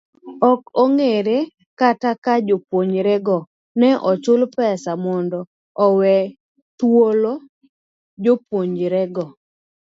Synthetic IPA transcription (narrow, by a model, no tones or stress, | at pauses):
ɔkɔŋeɾe | katakad͡ʒopwoɲd͡ʒɾɛɡɔ | nɛʔɔt͡ʃʊlpɛsamɔndɔː | wɛ | twolo | d͡ʒopoɲd͡ʒɾɛɡɔ